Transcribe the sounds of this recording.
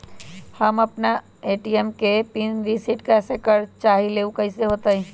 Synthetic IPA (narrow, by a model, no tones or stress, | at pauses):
həməpna | eːʈiemkepinɾisiʈkasekəɾt͡ʃaːɦileːukəiseɦoːt̪aɦĩ